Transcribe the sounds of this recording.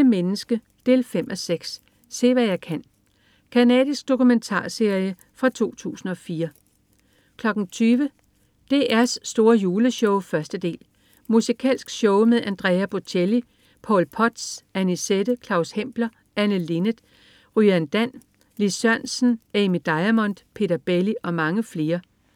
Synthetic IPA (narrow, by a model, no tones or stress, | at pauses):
əmenəsɡ̥ə | d̥e̝lfem̰ʔɒ̽seɡ̥s | se̝̰ːʋæjɑ̈ɪkʰæn̰ | kʰænɛ̰ːðˠisɡ̥̚d̥o̝kument͡sʰɑ̰̈ːse̝ɐjə | fʁɑ̈t͡sʰo̝̰ːt͡sʰṵːsn̩ɒ̽fiːɐ | kʰlɒ̽ɡ̥n̩t͡sʰyːʋə | d̥e̝ʔæɐsːd̥o̝ːɐjuːləɕɔ̽ʊfɶɐsd̥əd̥e̝̰ːl | musikʰɛ̰ːlsɡ̥ɕɔʊmeðˠænd̥ʁɛːæb̥ot͡ɕʰeli | pʰɒ̽lpʰɒ̽d̥sænised̥əkʰlɑ̈ʊshem̰b̥lɐ | ænəlenəd̥ | ʁyænd̥æn̰ | lisɶɐ̰nsn̩emid̥ɑ̈ɪæmɒ̽n̰d̥pʰe̝̰ːd̥ɐb̥eliʔɒ̽mɑ̈ŋəfle̝ːɐ